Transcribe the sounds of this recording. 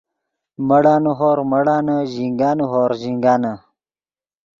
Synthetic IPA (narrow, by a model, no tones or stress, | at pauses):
mɐɽaːnuɦoːɾmɐɽaːnəʑiŋɡaːnuɦoːɾʑiŋɡaːnə